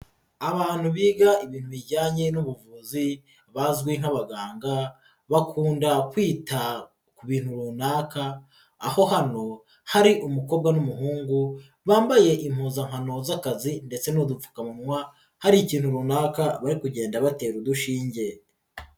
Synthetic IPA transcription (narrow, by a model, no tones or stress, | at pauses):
aβaːn̥huβiːɡaiβiːn̥huβiɟaːɲe̞nuβuvuːzi | βazɡwiŋ̥haβaɡaːŋɡa | βakʰuːndakwiːta | kuβiːn̥huɾunaːka̰ː | ho̞hano̞ | haɾiʔumuko̞ːbɡanumuɦuːŋɡu | βaːmbaje̞ʔim̥huːzaŋhano̞zakazinde̞t͡se̞nudufu̥kamumŋwa | haɾiciːn̥huɾuːnaːkaβaɾikuɟe̞ːndaβate̞ːɾuduʃiːɲɟe̞